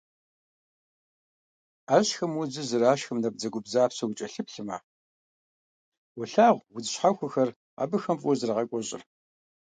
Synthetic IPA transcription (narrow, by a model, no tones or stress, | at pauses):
aɕxɐmwʊd͡zɨzɨraːɕxɐmnɐb̚d͡zɐɡʷʊbzaːpsɐwʊt͡ʃʼɐɬɨpɬɨma̰ | wʊɬaːʁʷwʊd͡zɨɕħaxʷʊxɐr | a̰ːbɨxɐmfʼɔzɨrɐʁɐkʷʼɔɕʼɪ̰r